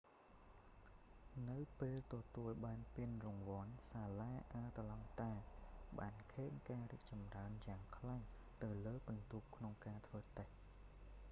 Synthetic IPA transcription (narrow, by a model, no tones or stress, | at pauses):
nɨwpeːlt̪ɑt̪uəlɓaːnpiənrɔŋʋŏənsaːlaːʔaət̪lɑŋt̪aɛɓaːnkʰeːŋkaːriək̚t͡ɕɑmraənjaːŋkʰlaŋ | t̪ɨwləːpʊnt̪uːp̚kʰnoŋkaːt̪ʰʋəːt̪əh